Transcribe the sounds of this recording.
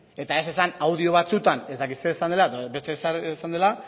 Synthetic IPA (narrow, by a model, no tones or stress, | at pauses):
e̞t̪ae̞se̞sanawðio̞βat͡sut̪ane̞zd̪akit̪seesand̪e̞laeðbet̪esɾsand̪e̞la